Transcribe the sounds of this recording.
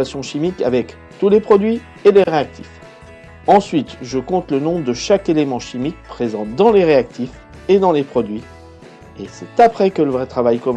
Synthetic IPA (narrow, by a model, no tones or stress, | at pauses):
asjɔ̃ʃimikavɛk | t̪ulepχɔd̪ɥi | eleʁeak̚t̪ʰif | ɑ̃sɥit̪ʒəkɔ̃t̪lənɔ̃d̪əʃakelemɑ̃ʃimik̚pχezɑ̃d̪ɑ̃leʁeak̚t̪if | ed̪ɑ̃lepχɔd̪ɥi | esɛt̪apχɛkələvʁɛt̪χavajkɔm̃